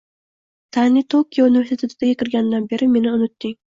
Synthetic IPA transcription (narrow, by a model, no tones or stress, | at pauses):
t̪ʰanɪt̪ʰokʰʲijounive̞ɾsʰet̪ʰet̪ʰɪd̪ajʲekʲɪɾɡʲanɪd̪anbe̞ɾɪme̞nɪʊnɪt̪ːɪŋ